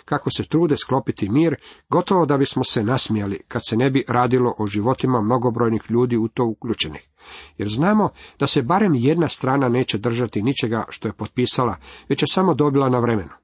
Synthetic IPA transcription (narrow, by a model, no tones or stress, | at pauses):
kako̞se̞t̪ɾuːd̪esklo̞pit̪imiːɾɡo̞t̪o̞ʋo̞d̪abismo̞senasmijalikad̪se̞ne̞biɾaːd̪ilo̞ʔoʒiʋo̞t̪imamno̞ɡo̞bɾo̞ːjnixʎuːd̪iːut̪o̞ːukʎuːt͡ʃe̞nix | jeɾznaːmo̞d̪̥ase̞baɾe̞mje̞d̪nast̪ɾaːnane̞ːt͡ɕe̞d̪r̩ʒat̪init͡ʃe̞ɡaʃt̪o̞je̞po̞t̪̚piːsalaʋe̞t͡ɕje̞samo̞d̪o̞bilˠanaʋɾeme̞nu